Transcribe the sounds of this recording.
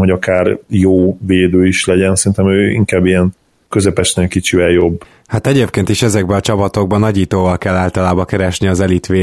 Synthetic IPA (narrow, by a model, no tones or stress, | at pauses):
ɦoɟɒkaːrjoːveːd̪øːiʃlɛɟɛnsɛɾint̪ɛmøːḭŋkaːbijɛn | køzɛpɛʃneːlkit͡ʃivɛljo̞bː | hat̪ɛɟeːp̚keːnt̪iʃɛzɛɡ̚bɛɒt͡ʃɒpɒt̪o̞ɡ̚bɒnɒɟiːt̪oːvɒlkɛlːaːlt̪ɒlaːbɒkɛɾɛʃniɒzɛlit̪ʋeː